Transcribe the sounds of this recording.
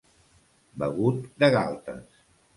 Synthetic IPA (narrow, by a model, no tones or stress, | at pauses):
bəɣut̪̚d̪əɣa̰lˠt̪ə̰s